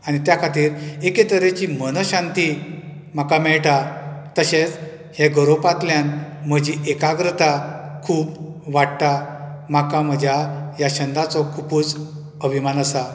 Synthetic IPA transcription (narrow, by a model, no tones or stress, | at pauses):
anit̪jakʰat̪iːɾeket̪əɾet͡ɕim̤ənɔɕãnt̪i | m̤akamɛɭʈat̪əɕet͡s | hjeɡəɾopat̪ljanməd͡ʑiʔekaɡɾət̪akʰuːp | ʋaɽt̪a | m̤akam̤əd͡ʑʱjajaɕənd̪ʱat͡sɔkʰupuːt͡s | əbʱimanəsa